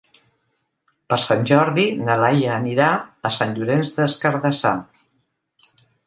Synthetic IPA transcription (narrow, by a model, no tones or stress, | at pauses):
pəɾsanʲʒɔɾðinəlajəːniɾaəsanʎuɾenzdəskəɾðəsa̰